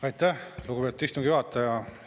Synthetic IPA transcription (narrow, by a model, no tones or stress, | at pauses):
ɑjt̪ːæhluɡubet̪ːˑist̪umŋɡ̥ijoɦɑt̪ːˑɑjɑ